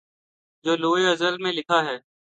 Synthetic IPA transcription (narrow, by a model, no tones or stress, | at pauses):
d͡ʒoːloːeːəzəlmẽːlɪkʰaːɦɛː